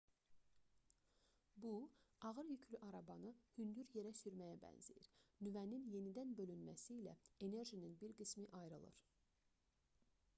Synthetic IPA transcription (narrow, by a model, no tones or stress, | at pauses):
buɑɣɯɾjycʰlyʔɑɾɑbɑnɯhynd̪yɾje̞ɾæsyɾmæjæbæ̰nzejiɾnyvæninje̞nid̪ænbø̞lynmæsiːlæ̰e̞ne̞ɾʒininbiɾɡɯsmiʔɑjɾɯlˠɯ̰ɾ